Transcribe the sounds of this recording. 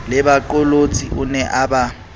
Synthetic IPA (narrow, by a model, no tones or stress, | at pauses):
lɛbaǃɔlot͡sʼḭʊnɛʔaba